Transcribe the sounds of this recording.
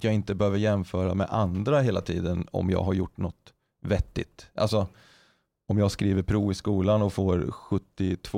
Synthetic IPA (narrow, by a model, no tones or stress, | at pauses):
t̪jɑːɡɪnt̪əbɛhøːvəɾjɛmfœːɾamɛ̰ʔand̪ɾaɦeːlat̪ʰḭːd̪ənɔ̰mjɑ̰ːɡɦaɾjʊʈːnɔt̪ | vɛt̪ːɪ̰t̪ʔa̰lsɔ | ɔmjɑːɡskɾiːvəɾpʰɾuːɪskuːlanɔfoːɾɧɵt̪ːɪt̪ʰv